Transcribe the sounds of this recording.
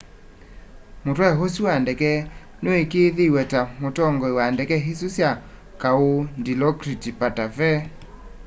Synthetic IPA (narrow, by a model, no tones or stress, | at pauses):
motwaɦosiwandɛkɛ | noekeðewɛtamotɔŋɡɔewandɛkɛɦisusja | kaondilɔkɾitipatafɛ